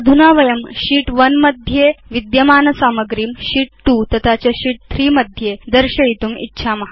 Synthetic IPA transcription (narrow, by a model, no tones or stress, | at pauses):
d̪ʱunaʋəjəmɕiːʈʋənməd̪ʱjeʋid̪jəmaːnɐsaːməɡɾiːmɕiːʈ̚tuːt̪ɐt̪ʰat͡ɕjaɕiːʈ̚t̪ʰɾiːməd̪ʱjed̪əɾɕəit̪uːmḭtːɕʰamaɦa